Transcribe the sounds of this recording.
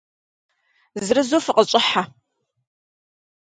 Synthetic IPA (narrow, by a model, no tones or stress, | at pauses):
zɨrɨzofɨqəɕʼɪħa